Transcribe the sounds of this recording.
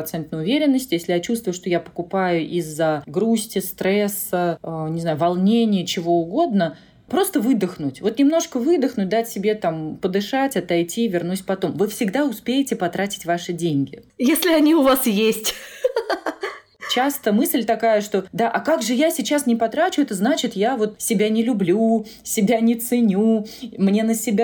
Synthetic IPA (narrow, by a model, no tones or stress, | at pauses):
t̪sɛnt̪̚nəjʊvʲeɾʲɪnːəsʲtʲjesʲlʲɪjat͡ɕust̪vʊjʊʂt̪o̞japə̥kʊpajʊʔizːəɡɾusʲtʲɪst̪ɾɛsəənʲɪznajʊvɐlˠnʲenʲɪjət͡ɕɪvo̞ʊɡo̞d̪nə | pɾo̞st̪əvɨd̪əxnʊtʲvo̞t̪nʲɪmno̞ʂkəvɨd̪əxnʊt̚ʲd̪atʲsʲɪbʲe̞t̪ampəd̪ɨʂatʲɐt̪ɐjtʲivʲɪrnusʲpɐt̪o̞mvɨfsʲɪɡd̪aʊspʲejɪtʲɪpɐt̪ɾatʲɪ̥tʲvaʂɨdʲenʲɡʲɪjesʲlʲɪɐnʲiʊvasjesʲtʲ | t͡ɕast̪əmɨsʲlʲt̪ɐkajəʂt̪o̞d̪aʔɐkaɡʐɨjasʲɪt͡ɕasnʲɪpɐt̪ɾat͡ɕʊɛt̪əznat͡ɕɪt̪javo̞t̪sʲɪbʲanʲɪlʲʊblʲu | sʲɪbʲanʲɪt̪sɨnʲumnʲe̞nəsʲɪbʲa